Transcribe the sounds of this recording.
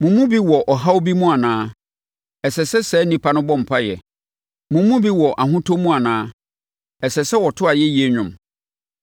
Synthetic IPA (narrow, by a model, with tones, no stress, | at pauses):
mũ˨mũ˦bi˦wɔ˨ʔɔ˨ɦa˦o˦bi˦mũ˦a˨nãː˦ | ɛ˨sɛ˨sɛ˦sɛː˨˦nĩ˦pʰa˦nʊ̃˦bɔ̃˦m̩˨pʰa˦jɛ̰˨ | mũ˨mũ˦bi˦wɔ˨ʔa˨ɦʊ̃˦tʰo˦mũ˦a˨nãː˦ | ɛ˨sɛ˨sɛ˦wɔ˨tʰʊ˦a˨jɛ˦ji˦ɛ˦ɲᶣʊ̃˨m